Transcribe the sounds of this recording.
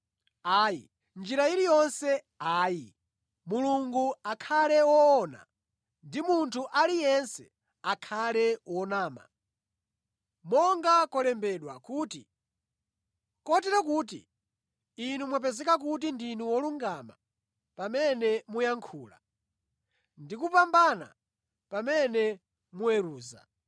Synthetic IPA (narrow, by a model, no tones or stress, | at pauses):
aːjḭ | nd͡ʒiɾailijɔnsɛ | aːji | muluŋɡuakʰalɛwɔːna̰ | ndimuntʰuʔalijɛnsɛ̥ | akʰalɛwɔnaːma̰ | mɔŋɡakɔlɛmbɛɗwa̰kuːtḭ | kɔtɛɾakuːt̬ḭ | inumwap̬ɛzɛkak̬ut̬indinuwɔluŋɡama̰ | pamɛnɛmujaŋkʰuːla̰ | ndikupambana̰ | pamɛnɛ | muɛɾuːza̰